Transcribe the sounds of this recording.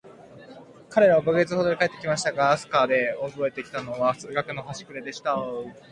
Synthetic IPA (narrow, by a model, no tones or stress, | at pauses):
kaɾe̞ɾaβabɯɡe̞t͡sɨhod̪oɾekae̞t̪ːekʲimaɕi̥t̪aɡaːsɨ̥kad̪e̞obo̞e̞t̪e̞kʲi̥t̪ano̞βasɨɡakɯ̟no̞ɦaɕi̥kɯ̟ɾe̞d̪e̞ɕi̥t̪a